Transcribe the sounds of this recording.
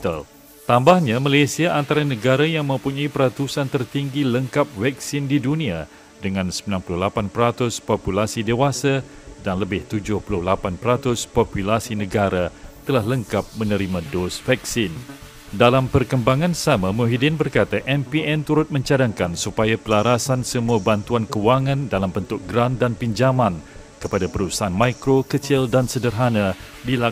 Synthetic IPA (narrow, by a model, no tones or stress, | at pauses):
t̪a̰l | t̪ambahɲãmalesiaʔant̪aɾanəɡaɾajaŋmə̃mpuɲaipəɾat̪usant̪ərt̪iŋɡiləŋkap̚vɛk̚sɪndidunĩa | dəŋãnsəmilanpulʊhlapanpəɾat̪ʊspopulasidewasa | danləbɪht̪ud͡ʒʊhpulʊhlapanpəɾat̪ʊspopulasinə̃ɡaɾat̪əlahləŋkap̚mə̃nə̃ɾimãdosfɛksɪn | dalampərkəmbaŋãnsamãmuɦidɪnbərkat̪aʔɛmpiɛnt̪uɾʊt̪̚mə̃ɲt͡ʃadaŋkansupajapəlaɾasansəmuabant̪uankəwaŋãndalambənt̪ʊk̚ɡɾandanpiɲd͡ʒamãn | kəpadapəɾusaʔanmãkɾokət͡ʃɪldansədərɦanã | dila